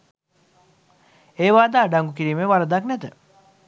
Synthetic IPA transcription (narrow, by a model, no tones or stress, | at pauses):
eːʋaːd̪aːɖaŋɡuk̬iɾiːmeʋaɾəd̪aknɛt̪ə